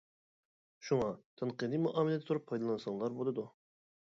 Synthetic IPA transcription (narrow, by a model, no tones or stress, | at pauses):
ʃuŋɑt̪ʰeɴqɨd̪ɨmuʔɑːmɪlˠɛd̪ɛt̪ʰuɾupʰːɑjd̪ɑlˠɨnɨsɨŋlˠɑɾbolˠɨd̪u